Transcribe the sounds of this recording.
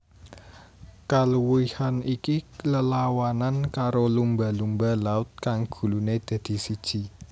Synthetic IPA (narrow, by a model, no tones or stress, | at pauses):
kaluwihanikiləlawanankaɾolumba̤lumbalaʊt̪̚kaŋɡ̥ṳluned̪̥ä̤d̪̥i̤sid̥ʒ̥i̤